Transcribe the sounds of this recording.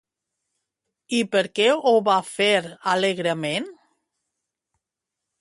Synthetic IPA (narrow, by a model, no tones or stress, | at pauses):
ipəɾkɛoβafeɾaleɣɾəmen